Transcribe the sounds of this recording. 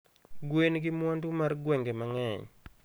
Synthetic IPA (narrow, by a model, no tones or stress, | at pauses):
ɡwenɡɪmwɔndumarɡwɛŋɡemaŋɛɲ